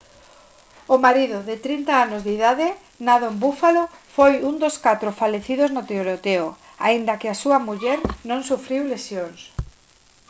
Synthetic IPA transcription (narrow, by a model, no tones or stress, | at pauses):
ʊmaɾiðʊðɪt̪ɾint̪aanozðiðaðɪ | naðoembufalofojund̪oskat̪ɾofaleθiðoznot̪eoɾot̪eo | aind̪ɐkɪasuɐmuʎɛɾnõŋsufɾiwlesjoŋs